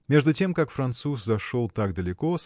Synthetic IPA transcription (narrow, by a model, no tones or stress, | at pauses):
mʲe̞ʐd̪ʊtʲe̞mkakfɾɐnt̪suszɐʂolˠt̪akd̪əlʲɪkos